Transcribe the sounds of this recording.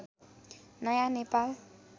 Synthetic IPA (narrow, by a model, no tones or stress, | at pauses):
najanepal